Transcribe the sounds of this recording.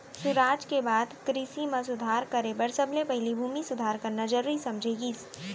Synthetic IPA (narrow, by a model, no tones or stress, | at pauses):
sʊɾaːd͡ʒkebaːd̪kɾɪsimãs̬ʊd̪ʱaːɾkɐɾebɐɾsəblepɐɦɪlibʱuːmisʊd̪ʱaːɾkɐɾnad͡ʒəɾisɐ̃md͡ʒʱeːɡi